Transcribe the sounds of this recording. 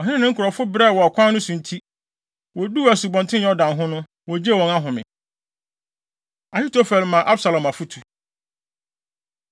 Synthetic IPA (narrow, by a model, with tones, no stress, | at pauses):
ɔ˨ɦɪ˦nɪ̃˦nɪ̃˦ŋ̩˦kʰʊ˨ɾɔ˨fʊ˦bɾɛ˦˨wɔ˨a˨kʷʰã˦nʊ̃˦sʊ̃˨n̩˨tʰi˦ | wɔ˨du˦˨æ˨su˨bɔ̃˨ntʰɪ̃˦ɔ˦dã˨nɦʊ̃˦nʊ̃˦ | wɔ˨d͡ʑe˦˨wɔ̃˨na˦ɦʊ̃˨mɪ̰̃˨ | a˨hi˦tʰo˦fɛ˨lmã˨ʔa˦bsa˨lã˨ma˨fu˦tʰu˨